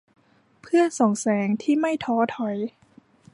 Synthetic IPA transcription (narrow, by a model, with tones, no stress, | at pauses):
pʰɯ˥˩əso˨˩˦ŋsɛː˩˦ŋt̪ʰiː˥˩ma˥˩jt̪ʰɔː˨˦˥t̪ʰɔ˨˩˦j